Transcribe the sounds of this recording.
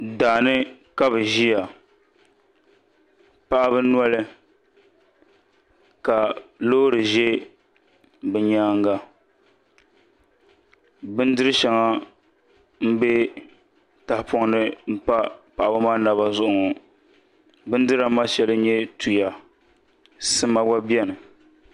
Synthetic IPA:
daː˨nɨ˦ka˦bɨ˨ʒi˦ja˨ | pa˦ʔa˦bɨ˦n˦ɔ˦lɨ˦ | ka˨lo˦ɾɨ˨ʒe˦ | bɛ˨ɲaː˦ŋ˦ɡa˦ | bɨ˦n˦dɨ˦ɾɨ˦ʃɛ˨ŋa˦ | m̩˦be˦ | ta˨hɪ˨pɔ˦ŋnɨ˦m̩˦pa˦pa˨ʔa˨bɨ˦maː˦na˨ba˨zʊ˦ʔʊ˨ŋɔ˨ | bɨ˦n˦dɨ˦ɾa˨˦ma˦ʃɛ˨lɨ˦ɲɛ˦tʰu˨ja˨ | sɨ˦ma˦wa˦bi˦ɛ˦nɨ˨

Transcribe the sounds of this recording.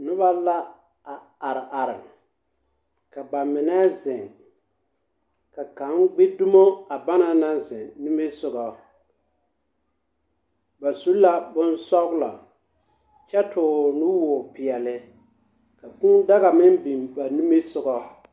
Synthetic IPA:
nʊ˦βa˦la˦ | a˨ | a˨ɾɪ˨ʔa˨ɾɪ˨m | ka˨ba˨mɪ˨nɛ˦zɪ˨ŋ | ka˨ka˨˦nɡ͡bɪ˦dʊ˦mo˦a˨ba˦na˦na˦zɪ˨nu˦mi˦sʊ˦ɣɔ˦ | ba˨su˦la˦bʊ˦n˦sɔ˦ɡla̰˨ | t͡ʃɛ˦tʊː˨nu˦wɔ˨pɪ˨ɛ˨lɪ˦ | ka˨ku˦da˦ɣa˨mɪ˦mbi˨mba˨nu˦mi˦sʊ˨ɡɔ˦

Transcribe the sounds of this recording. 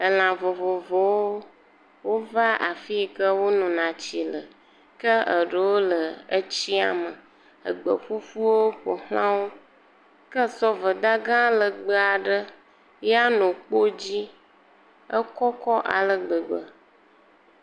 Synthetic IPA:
ə˨l̃ã˨vo˨vo˨vo˨wo˦ | wo˦va˦ʔa˨fi˦kə˦wo˦nɔ̃˨nã˨t͡ɕi˨lə˨ | kə˦ə˨ɖə˨wo˦lə˨ə˦t͡ɕi˦a̰˨mə˨ | ə˨ɡ͡bə̰˨ɸu˦fu˦wo˦ɸo˨hlã˦wo˦ | kə˦sɔ˦və˨d̪a˦ɡã˦lə˨ɡ͡bə˦a˨ɖə˦ | ja˦nɔ̃˨k͡po˦d͡ʑi˦ | ə˦kɔ˦kɔ˦ʔa̰˨lə˨ɡ͡bə˨ɡ͡bə˨

